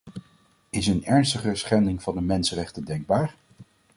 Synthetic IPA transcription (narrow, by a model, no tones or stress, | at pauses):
ɪsənɛɹnstəχəsχɛndɪŋv̥ɑndəmɛnsərɛχtədɛŋɡ̚baːɹ